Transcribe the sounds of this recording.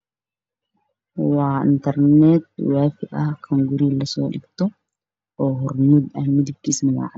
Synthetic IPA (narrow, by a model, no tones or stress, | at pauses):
waːɪ̰nt̪ɐɾneːt̪̚waːfɪʔakʰɐŋɡʊɾiːlːɐsoːᶑɪ̰kt̪ɔ | ʔoːhɔɾnʊd̪ɐnːɪd̪ɪkːɪsnwa̰ː